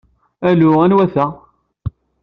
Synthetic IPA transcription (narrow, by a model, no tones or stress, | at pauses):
ælʊænwæθæ